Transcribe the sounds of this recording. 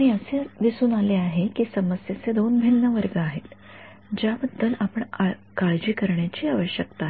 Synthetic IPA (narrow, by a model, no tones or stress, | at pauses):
aɽ̃iəsed̪isuːnaleaɦekiːsəməsjet͡sed̪onbʱinːəʋəɾɡəaɦet̪ | d͡ʑjabəd̪ʱːəlapəɳkaɭd͡ʑiːkəɾɳjat͡ɕiːaʋəɕjəkt̪aɦ